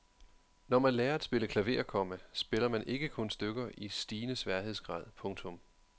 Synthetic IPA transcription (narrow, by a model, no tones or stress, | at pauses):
nɒmænlɛːɐed̥sb̥e̝ləkʰlæʋe̝ːɐkʰɒ̽məsb̥e̝lɐmænʔe̝ɡ̥əkʰɔ̽nsd̥øɡ̥ɐʔisd̥iːnəsʋæɐhe̝ð̞̰ˠsɡ̥ʁɑ̰̈ːð̞ˠpʰɔ̽ŋt͡sʰɔ̽m